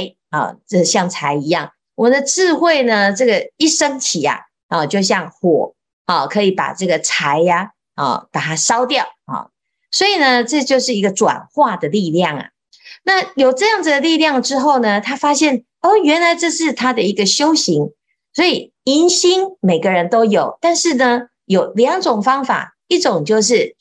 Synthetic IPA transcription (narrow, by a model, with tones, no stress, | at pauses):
ɪ | ɔ̰˥˨˩ʈ͡ʂə˥˧˩ɕjɑ˥˩ŋt͡sʰa˧˥ɪi˧˥jɑ˥˩ŋ | wɔ˨mə˦nd̪ə˧ʈ͡ʂɻ̩˥˧xwe˥˩ɪnə˩ʈ͡ʂɤ˥˩ɡə˩i˥˩ʂə˥ŋt̪ʰi˨˩ɐ̰˨˩ | ɔ˥˨t͡ɕjo˥˧ʊɕ̬jɑ˥˩ŋxwɔ˨˩ | ɔ˥˩kʰɤ˧˥i˨˩pa̰˨˩ʈ͡ʂɤ˥˩ɡə˩t͡sʰa˧˦ɪa˨ | ɔ̰˥˩pa˨˩t̪ʰa˥ʂɑ˥ʊt̪jɑ˥˨ʊɔ̰˩ | swɔ˧˥i˨˩nə˦ʈ͡ʂɤ˥˧t͡ɕjo˥˧ʊʂɻ̩˥˩i˧˥ɡə˧ʈ͡ʂwa̰˨˩nxwa˥˩d̪ə˩li˥˧ljɑ˥˩ŋɐ̰˩ | na˥˩jo˨˩ʊʈ͡ʂɤ˥˧jɑ˥˩ŋd͡zɨ˨d̪ə˩li˥˧ljɑ˥˩ŋʈ͡ʂɻ̩˥xo˥˩ʊnə˩t̪ʰa˥fa˥ɕjɛ˥˩n | o˥˩ɥɛ˧˥nla˧˥ɪʈ͡ʂɤ˥˧ʂɻ̩˥˩t̪ʰa˥d̪ə˨i˧˥ɡə˨ɕjo˥ʊɕi˧˥ŋ | swɔ˧˥i˨˩ | i˧˥nɕi˥nme˨˩ɪɡə˦ɻə˧˦nt̪o˥ʊjo˨˩ʊt̪a˥˧nʂɻ̩˥˩nə˩ | jo˨˩ʊljɑ˧˥ŋʈ͡ʂʊ˨˩ŋfɑ˥ŋfa̰˨˩ | i˥˩ʈ͡ʂʊ˨˩ŋt͡ɕjo˥˧ʊʂ̬ɻ̩˥˩